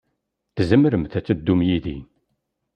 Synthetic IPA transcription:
θzəmɾəmθæt͡sːəd̪ːumjiði

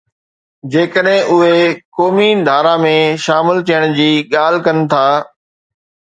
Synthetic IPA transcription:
d͡ʑeːkəɗɦɪ̃ʔʊɦekoːmid̪ʱaːɾamẽʃaːmɪlt̪ʰijəɽ̃d͡ʑiːɠaːl̤kɐnɪ̆t̪ʰaː

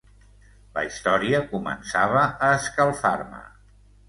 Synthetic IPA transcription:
lə̰ist̪ɔɾiəkumə̰nsaβ̞əʔːskəlˠfaɾmə̰

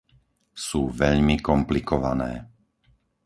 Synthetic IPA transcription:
suːʋɛʎmikɔmplikɔʋanɛː

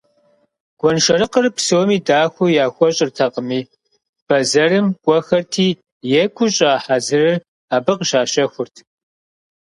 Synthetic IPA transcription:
ɡ̥ʷɔnʃɐɾɨqərpsɨwɔmiːdaːxʷʊjaːxʷɔɕʼɪrtʰɐqʼəmiː | b̥ɐzɐrɨmkʷʼɔxɐrtʰiː | jɛkʷʰʊɕʼaːħazɨrɨr | aːbɨqʃaːʃɐxʷʊrtʰ

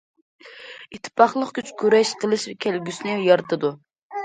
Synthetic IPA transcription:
it̪ʰːɪ̥pʰɑχlˠəqkʲyt͡ʃʰkʲʰøɾɛʃqʰəlˠɨʃvɛkʲʰælɡʲysnɪjɑɾt̪ʰɨd̪u

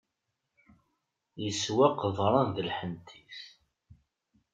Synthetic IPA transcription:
jəswæqəðˤɾˤɑnðəlħənt̪ʰiθ

